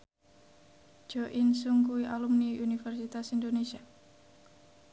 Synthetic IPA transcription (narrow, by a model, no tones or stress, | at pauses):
d͡ʒɔʔinsuŋɡuiʔalumniʔunifɛrsit̪asindonesia